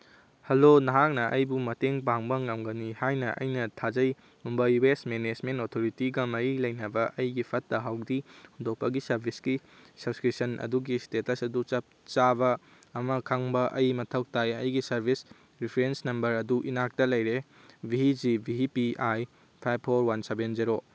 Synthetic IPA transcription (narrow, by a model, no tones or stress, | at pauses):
hɐlonɐɦak̚nɐʔɐjbumɐteŋbaŋbɐŋɐmɡɐnihajnɐʔɐ̰jnɐtʰad͡ʒɐj | umbɐjwesmened͡ʒmentotʰoɾitiɡɐmɐɾilɐjnɐbɐʔɐjɡipʰɐtːɐɦawdihundok̚pɐɡisɐɾbʱisɡi | sɐbskɾipsɐnʔɐ̰duɡistetɐsɐdut͡ʃɐp̚t͡ʃabɐː | mɐkʰaŋbɐʔɐjmɐtʰɐk̚tajɐjɡisɐɾbʱis | ɾipʰɾensnɐmbɐɾɐduʔinak̚tɐlɐjɾe | biɦid͡ʒibʱiɦipiʔaj | pʰajbʰoɾwɐnsebend͡ʒeɾo